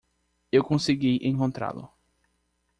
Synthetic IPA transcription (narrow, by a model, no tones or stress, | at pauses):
ewkõsiɡiʔẽkõnt̪ɾa̰lʊ̰